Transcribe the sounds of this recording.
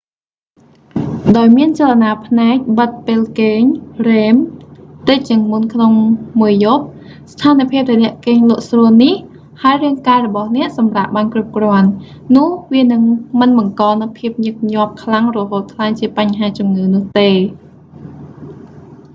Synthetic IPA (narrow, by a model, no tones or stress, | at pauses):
ɗaɔjmiənt͡ɕalanaːpʰnaɛk̚ɓət̪̚peːlkeːɲreːmt̪ɨc̚t͡ɕiəŋmunkʰnoŋmuəjop̚ | st̪ʰaːnipʰiəp̚t̪ənɛ̆əʔkeːɲlʊ̆əʔsruənih | haəjriəŋkaːrɔɓɑhnɛ̆əʔsɑmrap̚ɓaːnkrup̚krŏənː | ʊ̆əhʋiənɨŋmɨnɓɑŋkɑːnɨwpʰiəp̚ɲɨk̚ɲŏəp̚kʰlaŋrɔɦoːt̪̚kʰlaŋt͡ɕiəpaɲɦaːt͡ɕumŋɨːnʊ̆əht̪eː